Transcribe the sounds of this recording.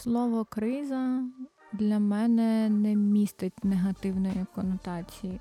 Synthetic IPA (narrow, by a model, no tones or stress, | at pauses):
slˠɔʋɔkɾɪzɐd̪lʲɐmɛnɛnɛmʲist̪ɪtʲneɦɐt̪ɪwnɔjikɔnɔt̪ɑt͡sʲiji